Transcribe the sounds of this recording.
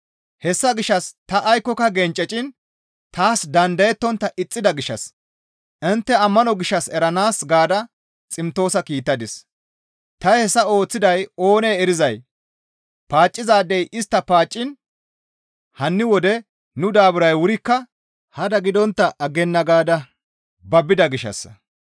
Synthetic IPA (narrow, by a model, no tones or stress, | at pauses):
hɛsːɐɡɪʃːɐst̪ɐʔːjkːɔkːɐɡɛnt͡ʃʼːɛt͡ʃʼɪn | t̪aːsd̪ɐnd̪ɐjɛt̪ːɔnt̪ːɐʔɪt͡sʼːɪd̪ɐɡɪʃːɐ̰s | ʔɪnt̪ːɛɐmːɐnɔɡɪʃːɐsɛɾɐnaːsɡaːd̪ɐ | t͡sʼɪmt̪o̞ːsɐkiːt̪ːɐd̪ɪs | t̪ɐjhɛsːɐo̞ːt͡sːɪd̪ɐjo̞ːneːɛɾɪzɐj | paːt͡ʃʼːɪzaːd̪ɛjʔɪst̪ːɐpaːt͡ʃʼːɪn | hɐnːɪwɔd̪ɛ | nʊd̪aːbʊɾɐjwʊɾɪkːɐ | hɐd̪ɐɡɪd̪ɔnt̪ːɐʔɐɡɛnːɐɡaːd̪ɐ | bɐbɪd̪ɐɡɪʃːɐ̰s